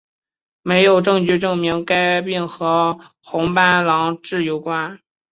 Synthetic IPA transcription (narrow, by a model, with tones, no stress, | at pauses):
me˧˥ɪjo˨˩ʊʈ͡ʂɤ˥˧ŋt͡ɕy˥˧ʈ͡ʂɤ˥˩ŋmi˧˥ŋka˥ɪpi˥˩nxɤ˧˥ | xʊ˧˥ŋpa˥˩nlɑ˧˥ŋʈ͡ʂɻ̩˥˩jo˧˥ʊkwa˥n